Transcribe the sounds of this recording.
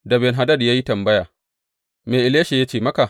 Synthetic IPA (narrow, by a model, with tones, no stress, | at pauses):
da˨bɛ˨nɦa˨dɐ˦˨djaː˦ji˦tɐ˨mbɐ˦jaː˨ | meː˨ʔɪ˨leː˦ʃe˨ja˦t͡ʃeː˦˨mɐ˦ka˨